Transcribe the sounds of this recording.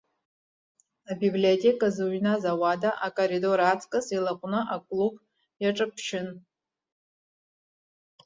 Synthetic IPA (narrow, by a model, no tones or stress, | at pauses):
abibliotʲʼe̞kʼazɨɥnazawadaʔakʼorido̞ɾat͡sʰʼkʼɨsilaqʷʼnɨʔakʷʼlub | jaʈ͡ʂʼɨpʰʃɪn